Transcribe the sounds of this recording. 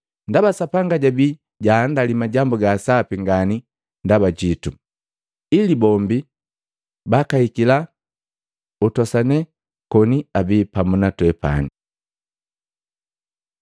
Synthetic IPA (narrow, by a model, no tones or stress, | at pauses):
ndabasapaŋɡaɟabi | ɟaːndalimaɟambuɡaːsapiŋɡani | ndabaɟitu | ilibɔmbi | bakahikila | utɔsanɛ | kɔniabipamunatwɛpa̰ni